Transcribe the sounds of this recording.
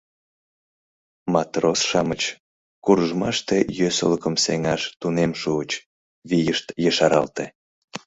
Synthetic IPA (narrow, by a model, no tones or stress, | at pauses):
mɑt̪rosʃɑmət͡ɕ | kurəʒmɑʃt̪ejøsə̰ləkəmseŋɑʃt̪unemʃuət͡ɕ | βijəʃt̪jəʃɑɾɑ̰lt̪e